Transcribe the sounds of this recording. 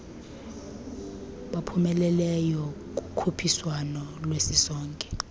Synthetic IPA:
ɓapʰumɛlɛlɛjɔ | k̬ʼu̥kʰupʰiswanɔlwesisɔːŋkʼɛ̥

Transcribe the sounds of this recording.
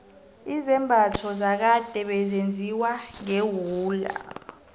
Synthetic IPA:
izɛmbʱatʰɔzak̬ad̥ʱɛɓɛzend͡zʱiwaŋewuːla̰

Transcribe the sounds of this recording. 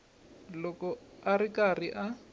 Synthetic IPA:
lɔkɔarikariʔa

